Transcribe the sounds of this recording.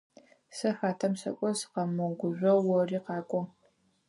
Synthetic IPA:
sɨħʷaːtʰɐmsɐ̰kʷʼɔzqɐmɨɡʷʊʒʷɔwɔriːqɑːkʷʼɔ

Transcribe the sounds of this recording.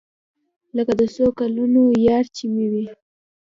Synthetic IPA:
ləkad̪əsokalunojɑɽt͡ʃimiwi

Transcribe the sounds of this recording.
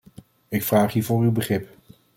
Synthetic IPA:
ɪkfraːχɦiːɹvʊːɹywbəχrɪp

